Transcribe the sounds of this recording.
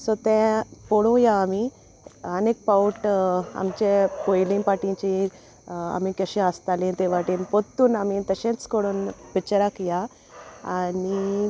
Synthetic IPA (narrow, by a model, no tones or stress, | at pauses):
sɔt̪ɛ̃poɽũjaːmi | ənek̚pawʈa̰mt͡ɕepojlĩpaʈĩt͡ɕi | a̰mikəɕẽəst̪alĩt̪ɛʋaʈĩnpot̪ːuːnamit̪əɕẽt͡skoɽũːnpit͡ɕɾakja | ani